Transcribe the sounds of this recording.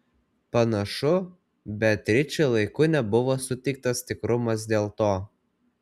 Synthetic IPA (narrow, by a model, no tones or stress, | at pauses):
pɐnɐʃʊ | bʲɛt̪ʲɾʲɪt͡ʃʲʊlˠɐɪkʊnʲɛbʊʋoːsʊt̪ʲɛɪk̚t̪ɐst̪ʲɪkɾʊmɐs̬d̪ʲeːlˠt̪oː